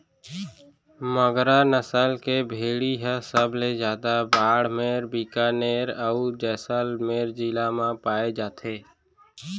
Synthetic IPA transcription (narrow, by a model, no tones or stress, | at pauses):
məɡɾanəsəlkebʱeːɽiɦə̃səbʱled͡ʒjaːd̪abaːɽmeːɾbiːkaːneːɾəud͡ʒɛːsəlmeːɾd͡ʒiːlamãpaːed͡ʒaːt̪ʰeː